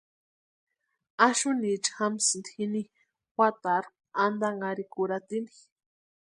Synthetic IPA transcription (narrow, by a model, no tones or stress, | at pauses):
aʃunit͡ʃxamsnd̪xini | xʷat̪aɾ | and̪aŋaɾikuɾat̪ini